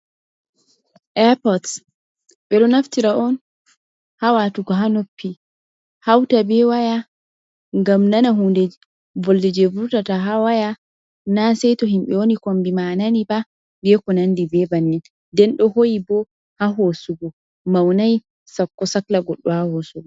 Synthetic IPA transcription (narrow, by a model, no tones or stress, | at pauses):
ʔɛpɔts | bɛɗɔnaftiɾaʔɔn | hawatuɡɔɦanopːi | hawtabɛwaja | ŋɡamnanaɦundɛ | vɔldɛd͡ʒevuɾtataɦawaja | nasɛjtɔɦimɓɛwonikombimananiba | bɛkɔnandibɛbanːi | dɛnɗɔhojibɔ | haɦosuɡɔ | mawnaj | sakːɔsaklaɡɔɗːɔhahosuɡɔ